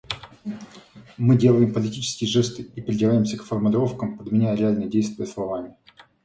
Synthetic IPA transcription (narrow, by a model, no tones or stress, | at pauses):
mɨdʲe̞lˠəjɪmpəlʲɪtʲit͡ɕɪ̥skʲɪjəʐɛst̪ɨipɾʲɪdʲɪvajɪmsʲəkfərmʊlʲɪɾo̞fkəmpəd̪mʲɪnʲæjəɾʲɪalʲnəjədʲejst̪vʲɪjəslˠɐvamʲɪ